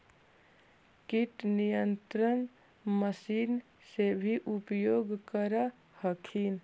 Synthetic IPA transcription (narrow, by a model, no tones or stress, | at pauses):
kiʈnijənt̪ɾən | məsiːn | sebʱiʔupjoːɡkəɾə | həkʰin